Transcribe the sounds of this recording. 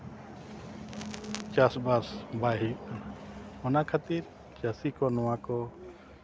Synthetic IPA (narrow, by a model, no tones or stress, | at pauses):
t͡ʃasbasbaɦiʔ | ɔnakʰat̪iɾ | t͡ʃasikɔnɔwãkɔ